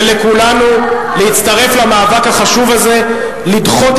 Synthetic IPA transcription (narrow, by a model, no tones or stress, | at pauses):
lekulanu | lehit̪t͡st̪aʁe̞flamaːvakhaχaʃuvaze̞ | lid̪χo̞t̪